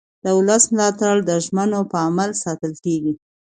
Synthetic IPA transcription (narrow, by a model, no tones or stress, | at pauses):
d̪̥əʊləsmlɑt̪aɽd̪əʒmənopəamalsɑt̪əlkeɡi